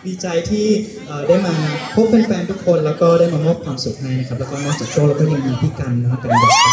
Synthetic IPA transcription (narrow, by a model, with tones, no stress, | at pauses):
wiː˧t͡ɕa˧jt̪ʰiː˥˩ | ʔɤː˨˩daː˥˩jmaː˧pʰo˦˥p̚ːe˧nfɛː˧nt̪ʰu˦˥kʰo˧nlɛː˦˥wkɔː˥˩ɾaː˥˩jmaː˧mo˦˥˩p̚kʰwaː˧msu˨˩k̚haː˥˩jna˦˥kʰa˦˥plːkɔː˥˩nɔː˥˩kt͡ɕaː˨˩k̚t͡ɕʰu˥˩k̚la˦˧p̪ʰaː˥˩maː˧miː˧pʰiː˥˩ka˧n˧˦˥ka˧n˧da˥˩a˦˧˥